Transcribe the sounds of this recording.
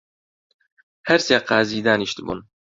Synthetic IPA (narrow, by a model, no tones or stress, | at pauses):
hɛɾseːqɑːziːd̪aːniʃd̪ɨbṵn